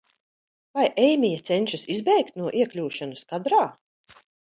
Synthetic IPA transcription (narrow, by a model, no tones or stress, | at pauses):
vajʔɛjmijat̪sɛnʲʃisizbɛjkt̪nuɔʔiɛklʲuːʃanuskad̪ɾaː